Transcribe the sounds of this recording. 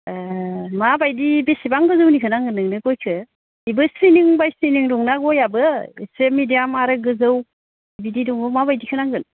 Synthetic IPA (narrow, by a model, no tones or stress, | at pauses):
mabajdibesibaŋɡɯzɯwnikʰɯnaŋɡɯnɯŋnɯɡɔjkʰɯ | ibɯsiniŋbajsijniŋdɔŋnaɡɔjabɯeselmidijamaɾɯɡɯzɯw | ibididuŋbɯmabajdikʰɯnaŋɡɯn